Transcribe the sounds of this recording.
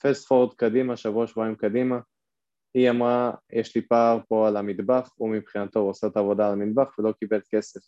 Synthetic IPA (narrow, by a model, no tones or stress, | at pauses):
fest̪foʁd̪kad̪imaʃavuaʃvoaimkad̪ima | iamʁajʔeʃlipaːʁpo̞alamid̪baχumipχinat̪o̞ʁosat̪aːvo̞d̪aːlamid̪̚baχvelo̞kibelt̪ke̞se̞f